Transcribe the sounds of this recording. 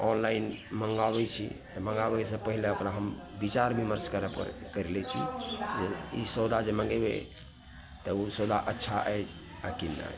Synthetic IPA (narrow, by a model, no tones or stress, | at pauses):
ɔnlainməŋɡabɛt͡ʃʰḭt̪ɔməŋɡabɛsə̃pəɦileokɾaɦəmbit͡ʃaɾbʱiməɾskəɾəpə̰ɾkəɾelɛt͡ʃʰḭd͡ʒeisəd̪ad͡ʒemə̃ŋɡebḛ | t̪ɔusod̪ʱaʔətːʃʰaʔɛt͡ʃʰ | akinːa̰